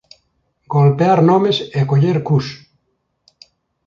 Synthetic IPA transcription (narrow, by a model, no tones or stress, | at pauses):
ɡolpeaɾnõmesekoʎeɾkus